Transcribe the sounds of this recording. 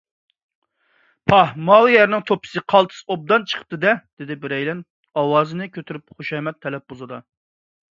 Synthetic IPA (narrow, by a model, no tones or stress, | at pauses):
pʰɑhmɑːlˠɨjɛɾnɪŋt̪ʰopʰɨ̥sɨqʰɑlˠt̪ʰɨ̥sob̚d̪ɑnt͡ʃʰə̥qʰə̥p̚t̪ɨd̪ɛd̪̥ɪd̪ɪbɪɾɛjlɛn | ɑwɑːzɨnɨkʲʰøt̪ʰyɾypχoʃɛmɛt̪ʰːɛlɛp̚bozɨd̪ɑ